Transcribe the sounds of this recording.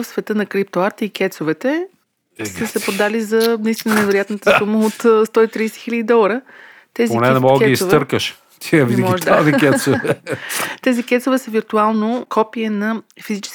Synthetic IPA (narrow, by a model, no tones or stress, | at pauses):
fsvɛt̪ənɐkɾipt̪oaɾt̪ikʲɛt̪sovɛt̪ɛ | səsɛpɾod̪alizɐnɐist̪inənɛvɛɾojat̪nət̪əsuməot̪st̪ɔit̪ɾiːsɛ̥xilʲəd̪id̪ɔlˠəɾə | t̪ɛzpionɛnɛmɔɡˠɛiistvɤɾkəʃ | t̪ʰiəvid̪ɛmɡiɔʒd̪azikʲɛsovɛt̪ɛzikɛt̪sovɛsəviɾt̪ualˠnokʰɔpiɛnɐfizit͡ʃɛ̥s